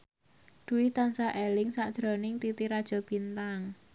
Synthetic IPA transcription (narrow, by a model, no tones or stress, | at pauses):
d̪̥ṳwɪt̪ansaʔelɪŋsaʔd̥ʒ̥ɾɔnɪŋt̪it̪iɾad̥ʒ̥ɔ̤b̥int̪aŋ